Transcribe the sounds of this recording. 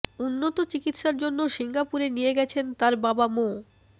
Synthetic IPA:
unːot̪ot͡ɕikit̪ʃaɾd͡ʑonːoʃiŋɡapuɾenijeɡɛt͡ɕʰent̪aɾbabamo

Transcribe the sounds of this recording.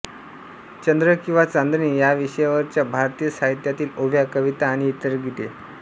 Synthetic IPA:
t͡ɕənd̪ɾəkĩw̃ʋat͡sand̪niːjaʋiɕəjaʋəɾt͡ɕjabʱaɾt̪ijəsaɦit̪jat̪iːloʋjakəʋit̪aːɽ̃iːt̪əɾɡʱit̪e

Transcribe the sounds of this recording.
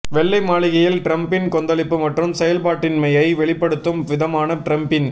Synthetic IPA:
ʋɛɭːɐɪmaːɭɪɣɐjɪlʈɾɐmpɪnkɔnd̪ɐlɪpːɯmɐʈrɯmsɛjɐlpaːʈːɪnmɐjɐɪʋɛɭɪpːɐɽɯt̪ːɯmʋɪðɐmaːnɐʈɾɐmpɪn

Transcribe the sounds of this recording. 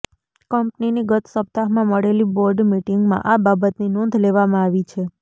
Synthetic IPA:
kəmpniniɡət̪səp̚t̪aɦmãməɽeliboɾɖmiʈiŋɡmã̰ʔababət̪ninɔnd̪ʱleʋamãaʋit͡ʃʰe

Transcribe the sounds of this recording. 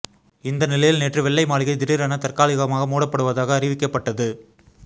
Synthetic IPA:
ɪnd̪ɐnɪlɐjɪlneːʈrɯʋɛɭːɐɪmaːɭɪɣɐɪd̪ɪɾɪɾɐnɐt̪ɐrkaːlɪɣɐmaːɣɐmuːɽɐpːɐɽɯʋɐðaːɣɐːrɪʋɪkːɐpːɐʈːɐðɯ

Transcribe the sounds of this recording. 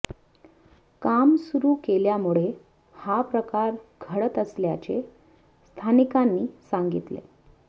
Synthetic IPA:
kamsuɾuːkeljamuɭe | hapɾəkaɾɡʱəɽət̪əsljat͡ɕe | st̪ʰanikanːiːsaŋɡit̪lḛ

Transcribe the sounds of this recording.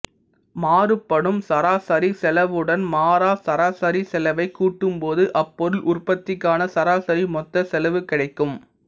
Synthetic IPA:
maːrɯpːɐɽɯmsɐɾaːsɐɾisɛlɐʋɯɽɐnmaːɾaːsɐɾaːsɐɾisɛlɐʋɐɪkːuːʈːɯmpoːðɯʔɐpːɔɾɯlʔʊrpɐt̪ːɪkːaːnɐsɐɾaːsɐɾimɔt̪ːɐsɛlɐʋɯkɪɽɐɪkːɯm

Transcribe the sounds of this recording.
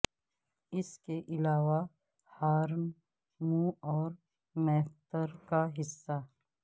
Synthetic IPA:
ɪskeʔɪlaːʋa | haːɾm | mũɔːɾ | mɛːft̪əɾkaɦɪsːa

